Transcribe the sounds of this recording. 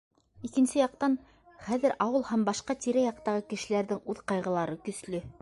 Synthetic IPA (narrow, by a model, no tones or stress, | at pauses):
ikɘ̆nsɘjɑq̚t̪ɑn | χæðɘɾʔɑwɤlˠhæmbɑʃqɑt̪iɾæjɑq̚t̪ɑʁɤkɘ̆ʃɘ̆læɾðɘŋʉðqɑjʁɤ̆lˠɑɾɤkɵ̆slɵ